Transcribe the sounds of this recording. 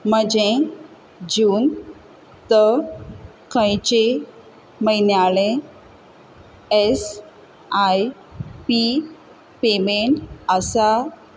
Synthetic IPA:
məd͡ʑẽ | d͡ʑuːn | t̪ə | kʰə̃jt͡ɕe | məjnjaɭẽ | es | aj | pi | pemeɳəsa

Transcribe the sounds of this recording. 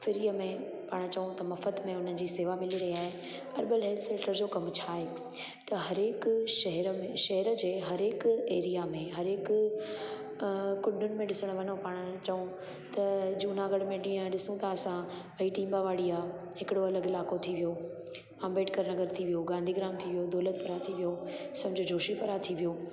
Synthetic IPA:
fɪɾijəmẽ | paːɽ̃t͡ɕɐʋũt̪ɐmɐfəd̪mẽʊn̤ənɪ̆d͡ʑiːseːʋamɪliɾɐɦiaːɦe | pɐɾɓɪlɦɛːlt̪sɛ̃ːʈəɾd͡ʑoːkɐmt͡ɕʰaːɦeː | t̪ɐɦɐɾekʃɐɦɛɾəmẽʃɐɦɛɾəd͡ʑeːɦɐɾɪkeːɾijamẽɦɐɾɪk | kʊ̃ɳɖʱʊnɪ̆mẽɗɪsəɽ̃ʋɐnõpaːɽ̃ʊt͡ɕɐũ | t̪ɐd͡ʑuːnaɡɐɽmẽɗĩːə̃ɗɪsũt̪ʰaɐsãpɐiʈiːmbaʋaːɽiaː | hɪkɪɽoɐləɡɪlaːkot̪ʰiʋijoː | ãːmbeːʈkɐɾnɐɣəɾt̪ʰiʋijoɡãːnd̪ʱiɡɪɾaːmt̪ʰiʋijod̪ɔːlət̪̚pɐɾat̪ʰiʋijosɐmd͡ʑʱd͡ʑʱoːʃipɐɾat̪ʰiʋijoː

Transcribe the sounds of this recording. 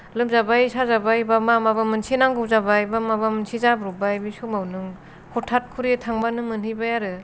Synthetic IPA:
lɯmzabajsazabajbamamabamɯnsʰinaŋɡɯzabajbamabamɯnsʰizabɾubajmisumawnɯŋ | hɔtʰːat̚kʰuɾitʰaŋbanɯmɯnɦɯjbajaɾɯ

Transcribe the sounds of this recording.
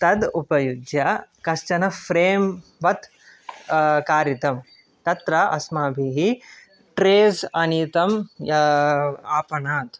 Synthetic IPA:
t̪ɐd̪upɐjud͡ʒjɐkɐʃt͡ʃɐnɐfɾeːmʋɐt̪ | kaːɾit̪ɐm | t̪ɐt̪ɾɐɐ̰smaːbʱiɦi | ʈɾeːzɐniːt̪ɐm | aːpɐnaːt̪

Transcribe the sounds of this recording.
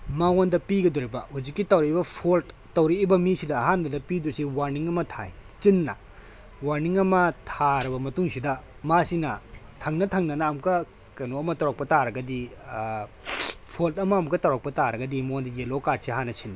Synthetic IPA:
maondɐpiɡɐdɔɾibɐhud͡ʒikːitɐwɾiibɐpʰoltːɐwɾiːbɐmisidɐːɦandɐdɐpidɔsiwaɾniŋɐmɐtʰa̰jt͡ʃinːɐ̰ | waɾniŋɐmɐtʰaɾɐbɐmɐtuŋsidɐ | masinɐtʰɐŋnɐtʰɐŋnɐnaːmkɐ | kɐjnoɐmɐtɐwɾak̚pɐtaɾɐɡɐdi | pʰoltɐmɐːmkɐtɐwɾak̚pɐtaɾɐɡɐdimaondɐjelokad̚siɦanːɐsinːi

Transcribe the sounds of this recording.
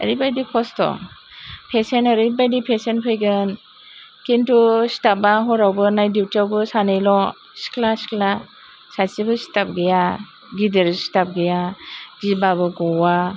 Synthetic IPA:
ḛɾibajdikʰɔstɔ̰ | pʰesenaɾibajdipʰesenpʰɯjɡɯn | kintusi̥tabaɦɔɾawbɯnajdiwtawbɯsanejlɔ | si̥klasi̥kla | sasibɯsi̥tap̚ɡeja | ɡideɾsi̥tap̚ɡejaɡibabɯɡɔwa

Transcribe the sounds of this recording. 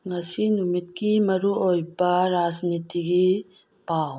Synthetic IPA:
ŋɐsinumid̪kimɐɾuojbaɾaːd͡ʒnit̪iki | paːw

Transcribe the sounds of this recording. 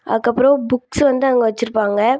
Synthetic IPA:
ɐ̰ðɯkːɐpːɯɾõbʊksʋɐnd̪ɯɐŋɡɐʋɐt͡ʃːɪɾɯpːaːŋɡɐ

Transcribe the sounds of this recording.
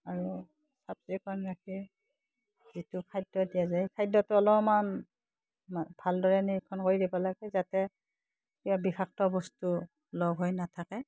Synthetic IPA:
aɹu | sap̚tikɔnɹakʰi | zitʊkʰajdɔdijazakʰajdɔtʊɔlɔman | b̥ʱaldɔɹɛniekʰɔnkoɹidibɔlaɡɛzatɛ | kibabixaxtɔbɔstu | lɔɡʱɦojnatʰakɛ

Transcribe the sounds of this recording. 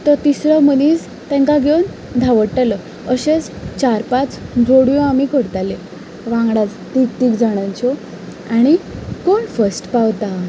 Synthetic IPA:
t̪ət̪isɾəməniːt͡s | t̪ɛ̃ŋkaɡʱewn | d̪ʱaʋəɽʈəlɔ | əɕet͡s | t͡ɕaɾpat͡sd͡zoɽjõamikəɾt̪ale | ʋãŋɡɽat͡st̪ik̚t̪iːkd͡zaɽ̃ãɲt͡ɕɔ | aɽ̃ikoɳfəsʈpawt̪a

